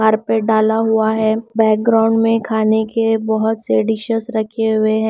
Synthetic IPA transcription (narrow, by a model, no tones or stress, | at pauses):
aːɾpeɖaːlaɦʊaɦɛːbɛːk̚ɡɾaːʊ̃ɳɖmẽkʰaːnekebɐɦʊt̪seɖɪʃəsɾɐkʰeɦʊeɦɛ̃